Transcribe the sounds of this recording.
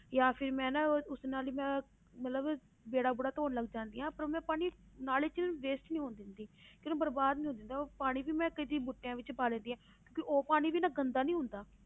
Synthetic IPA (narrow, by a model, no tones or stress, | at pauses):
jaːpʰɪɾmɛ̃ːnaʊsnaːliːmɛ̃ː | mət̪ləb | beːɽaːbʊːɽaːt̪oːnləɡd͡ʒãːnd̪iːãːpəɾoːmɛ̃ːpaːɽ̃iːnaːleːt͡ʃʋeːsʈnĩːɦoːnd̪ɪnd̪iːkjõːkebəɾbaːd̪nĩɦõːnd̪ɪnd̪aːpaːɽ̃iːbiːmɛ̃ːkəiːd̪iːbʊʈːejãːʋɪt͡ʃbaːlɛ̃ːnd̪iːãː | kjõːkɪʔoːpaːɽ̃iːbiːnaːɡənd̪aːnĩːɦʊ̃nd̪aː